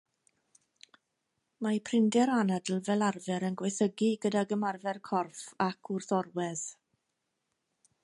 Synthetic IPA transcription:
majpʰrɪndɛɾanədl̩ˠvɛlˠarvɛɾənɡwɛjθəɡiɡədaɡəmarvɛrkʰɔrfakʰʊrθɔrwɛð̥

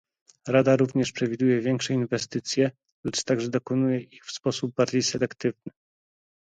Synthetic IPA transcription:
ɾad̪aɾuvɲɛʂpʂɛvʲid̪ujɛvʲjɛŋkʂɛinvɛst̪ɘt̪sʲjɛ | lɛt͡ʂt̪aɡʐɛd̪ɔkɔnujɛʔixfspɔsub̚baɾd͡ʑejsɛlɛkt̪ɘvnɘ

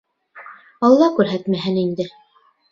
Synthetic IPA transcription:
ɑlˠːɑkʉɾɦæt̪mæɦɘnind̪ɘ

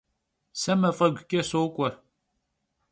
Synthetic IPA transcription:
sɐmɐfʼɐɡʷʊkʲʼɐsoːkʷʼɔr

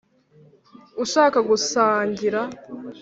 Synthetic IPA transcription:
uʃaːkaɡusaːɲɟiɾa

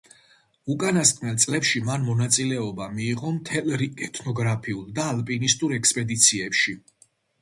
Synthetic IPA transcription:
ukʼanaskʼnɛlˠt̪sʼlɛpʃimanmɔnat̪sʼilɛɔbamiːʁɔmt̪ʰɛlɾiɛt̪ʰnɔɡɾapʰiulˠd̪aːlpʼinist̪ʼuɾɛkspʼɛd̪it̪sʰiɛpʃi

